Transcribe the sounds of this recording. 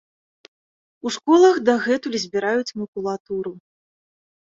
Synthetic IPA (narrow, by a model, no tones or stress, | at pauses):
uʂkɔlˠɐxd̪ɐɣɛt̪ulʲizʲbʲiɾajut͡sʲmɐkulˠat̪uɾu